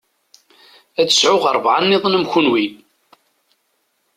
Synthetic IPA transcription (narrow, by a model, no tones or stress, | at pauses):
æə̥sʕʊʁəɾˤvʕanːɪðˤnəmçʊnwi